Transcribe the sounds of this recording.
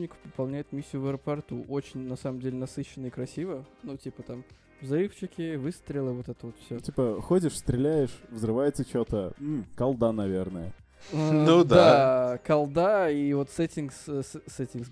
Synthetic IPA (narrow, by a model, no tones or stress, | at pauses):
nʲɪkə̥pəpɐlˠnʲæjɪt̪mʲisʲːjʊvəəɾəpɐrt̪uʔo̞t͡ɕɪnʲnɐsaməmdʲelʲɪnɐsɨɕːɪnəikɾɐsʲivənutʲipət̪am | vzɐɾɨft͡ɕɪkʲɪvɨst̪ɾʲɪlˠəvo̞t̪ɛt̪əvo̞t̪fsʲɵtʲipəxodʲɪʂst̪ɾʲɪlʲæjɪʂvzɾɨvajɪt̪sət͡ɕot̪əm̩kɐlˠd̪anɐvʲernəjə̰ | ənud̪akɐlˠd̪aivo̞t̪sɛtʲɪnksssɛtʲɪs